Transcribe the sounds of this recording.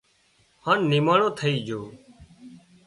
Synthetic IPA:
haːnːiːmaːɳõːt̪ʰəiːd͡ʒʱoː

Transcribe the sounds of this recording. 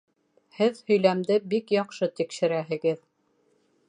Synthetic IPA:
hɘðhɵ̆jlæmd̪ɘbikjɑqʃɤt̪ikʃɘ̆ɾæɦɘ̆ɡɘð

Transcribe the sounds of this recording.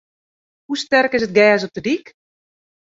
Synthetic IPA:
hustɛrkɪs̬ət̚ɡɛːs̬ɔp̚tədik

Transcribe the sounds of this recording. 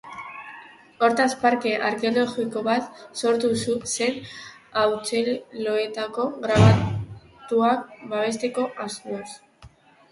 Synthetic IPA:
o̞ɾt̪aspaɾke̞ʔaɾkeolo̞ɣiko̞βat̪so̞ɾt̪ususe̞n | awt͡se̞lo̞et̪ako̞ɣɾaβa | t̪uak̚baβ̞e̞st̪e̞ko̞ʔaseɾs

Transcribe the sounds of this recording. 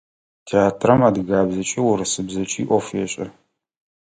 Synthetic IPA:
tʰeaːtʰrɐmaːdɣaːbzɐt͡ʃʼɪwʊɾɨsɨbzɐt͡ʃʼiːʔʷɔfjɛɕʼɐ

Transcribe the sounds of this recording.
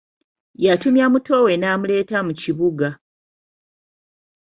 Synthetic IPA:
jatumjamuto̞we̞naːmule̞ːtamuciβuɡa

